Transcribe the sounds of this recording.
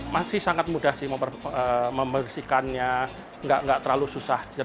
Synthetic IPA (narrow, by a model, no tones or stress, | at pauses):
masɪhsaŋat̪̚mudahsɪhməəəməmbərsikanɲa | ŋɡaʔŋɡaʔt̪ərɾlalususaha